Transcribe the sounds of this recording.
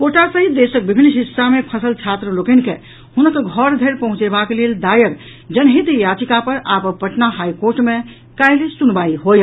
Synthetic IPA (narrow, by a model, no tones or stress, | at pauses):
koʈasəɦid̪esək̚bibʱinːɦisːamepʰəsəlt͡ʃʰat̪ɾəlokənke | hunəkɡʱɔɾd̪ʱeɾpəɦũt͡ʃebakeleld̪ajəɡ | d͡ʒənɦit̪jat͡ʃikapəɾapəpəʈnaɦajkoɾʈmẽ | kajlesunbaiɦoj